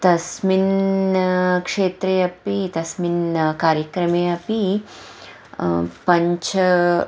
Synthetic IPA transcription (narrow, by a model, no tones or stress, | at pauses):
t̪ɐsmin | kʂeːt̪ɾeːɐpit̪ɐsminkaːɾjɐkɾɐmeːɐpi | pɐɲt͡ʃʰɐ